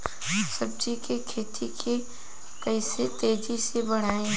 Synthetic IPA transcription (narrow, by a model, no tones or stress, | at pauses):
sɐb̚d͡ʒikekʰeːt̪ʰikʰe | kɐiset̪eːd͡ʒisebɐɽ̤aːẽ